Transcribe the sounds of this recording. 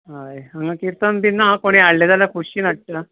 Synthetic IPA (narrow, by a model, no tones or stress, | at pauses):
ɦajaŋɡakiɾt̪ənd̪inːakoɽ̃iaɽled͡z̪alakʰuɕiːnəʈ̚ʈə